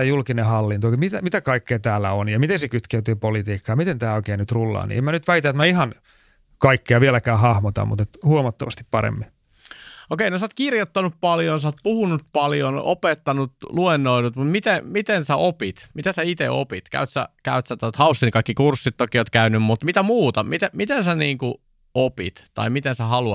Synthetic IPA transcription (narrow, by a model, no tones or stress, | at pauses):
æjulkinehɑlːint̪okmit̪æmit̪ækɑikːeːt̪æːlːæ̰onjɑmit̪ensekyt̪keyt̪yːpolit̪iːkːɑjɑmit̪ent̪æːoikeːnyt̪rulːɑ̰ːnḭemænyt̪ʋæit̪æet̪mæihɑn | kɑikːeɑʋielækæːhɑhmot̪ɑ̰mṵt̪et̪huomɑt̪ːɑʋɑst̪ippɑɾḛmːi | okeinosɑːt̪kirjot̪ːɑnuppɑljonsɑːt̪̚puhunut̪̚pɑljonopet̪ːɑnut̪luenːoinut̪mut̪mit̪emit̪ensæʔopit̪mit̪æsæit̪ḛʔo̰pit̪kæ̰yt̪sæ̰kæyt̪sæt̪ot̪hɑusːinkɑikːikursːit̪tokioːt̪kæynymmut̪mit̪æmuːt̪ɑmit̪æmit̪ensæniːŋku | opḭt̪tɑ̰imit̪ensæhɑluɑ